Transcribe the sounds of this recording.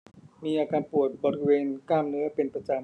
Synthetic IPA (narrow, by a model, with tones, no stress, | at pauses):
miː˧ʔaː˧kaː˧npu˨˩ət̪̚bo˨˩ɾi˦˥weː˧nkaː˥˩mnɯ˦˥ɐpe˧npɾa˧t͡ɕa˧m